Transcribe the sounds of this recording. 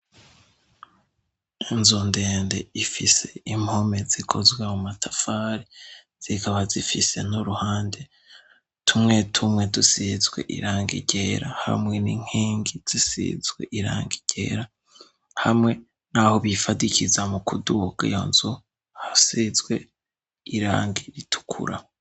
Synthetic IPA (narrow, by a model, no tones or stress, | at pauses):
inzunde̞ːnde̞ifise̞imho̞me̞zikʰo̞zwemumatʰafaːɾi | z̥ikaβazifise̞nuɾuhaːnde̞ | tʰumŋe̞tʰumŋe̞dusizɡwe̞̰ʔḭɾaːŋɡḭɟe̞ːɾaha̰mŋe̞niŋ̥heːŋɡiz̥isḭzɡwḛʔiɾa̰ːŋɡiɟ̥e̞ːɾa | hamŋe̞ | nahoβifadikʰizamukʰuduɡa̰jo̰nzu | hasizwe̞ | iɾa̰ːŋɡiɾitʰu̥kʰṵɾa̰